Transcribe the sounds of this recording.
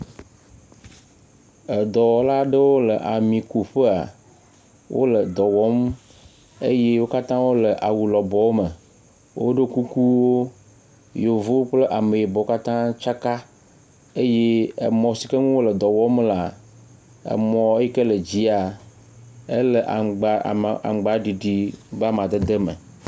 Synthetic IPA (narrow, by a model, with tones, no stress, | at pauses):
ə˨d̪ɔ˨wɔ˨la˦ɖə˦wo˦lə˨ʔa˨mĩ˨ku˨ɸə˦a̰˨ | wʔo̰˦lə˨d̪ɔ˨wɔ˦m | e˦je˦wo˦ka˦t̪ã˦wo˦lə˨ʔa˨wu˨lɔ˨bɔ˦wo˦mə˨ | wo̰˦ɖe˦ku˦ku˦wo˦ | jo˨vo˦wk͡plə˦ʔa˨me˨je˨bɔ˨˦o˦ka˦t̪ã˦t͡ʃa˦ka˦ | e˦je˦ḛ˨mɔ̃˨˦si˨kə˦ŋũ˦wo˦lə˨d̪ɔ˨wɔ˦mla˨ | ḛ˨mɔ̃˨˦ji˦ke˦lə˨d͡ʑi˦a˨ | e˦lə˨ʔa̰˨ɡ͡ba̰˦˨a̰˨ɡ͡ba˨ɖi˨ɖi˨ba˦mã˨d̪e˦d̪e˦mə̰˨